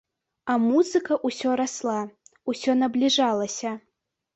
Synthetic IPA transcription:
ɐmuzɨkɐʔusʲɔɾaslˠausʲɔnɐblʲiʐalˠɐsʲɐ

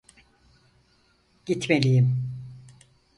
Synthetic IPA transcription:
ɟ̥it̪melʲijim

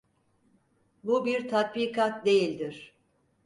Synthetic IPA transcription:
bubiɾt̪ʰat̪̚biːkʰat̪̚d̪e̞jilʲd̪iɾ̝̥

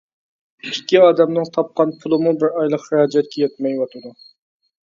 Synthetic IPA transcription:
ikʲːiɑːd̪ɛmnɨŋt̪ʰɑp̚qɑnpʰʊlˠɨmubɪɾɑjlˠəqhɪɾɑːd͡ʒɛt̪̚kʲɛjɛt̪̚mɛjwɑt̪ʰɨd̪u

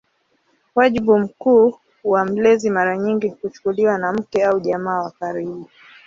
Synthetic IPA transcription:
waʄiɓum̩kuː | wam̩lɛzimaɾaɲiŋɡikut͡ʃu̥kuliwanam̩kɛauʄamaːwakaɾiɓu

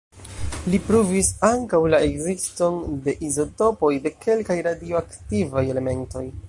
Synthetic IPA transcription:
lipɾuvisaŋkawlaeɡzisto̞nde̞ʔizo̞to̞po̞jde̞kʰe̞lkajɾadioaktivaje̞le̞me̞nto̞j

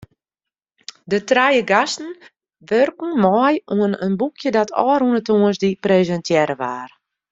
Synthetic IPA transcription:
dətrajəɡastn̩ | ʋørkn̩mɔjuənənbukʰjədatʰɔːɾunətuənsdiprezɛntjɛɾəʋaːr

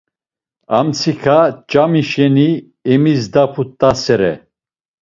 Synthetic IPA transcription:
a̰mt͡sʰikʰat͡ʃʼamiʃɛni | ɛmis̬d̪apʰut̪ʼːasɛɾɛ̰

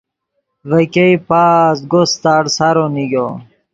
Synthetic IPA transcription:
vɐkeipaːsɡost̪aːɽsaɾoniɡo

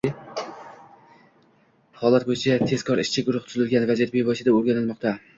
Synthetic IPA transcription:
hɒlˠat̪̚bojɪt͡ʃʰat̪ʰe̞zkʰɒɾɪʃt͡ʃʰɪɡʊɾʊχt̪ʰʊzɪlɡʲanvad͡ʒet̪̚bejbɒɪʃɪd̪aoɾɡʲanɪlˠmɒq̚t̪ʰa

